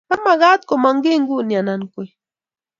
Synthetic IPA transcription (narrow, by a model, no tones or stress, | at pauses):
kamaɢɑt̪komaŋɡɪŋɡʊnianaŋkʊj